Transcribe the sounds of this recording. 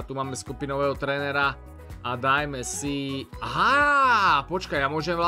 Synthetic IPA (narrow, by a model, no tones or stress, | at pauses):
t̪umaːmɛskupinɔʋɛːɦɔt̪ɾɛːnɛɾa | ad̪ajmɛsiaɦa | pɔt͡ʃkajjamʊɔʒɛmʋla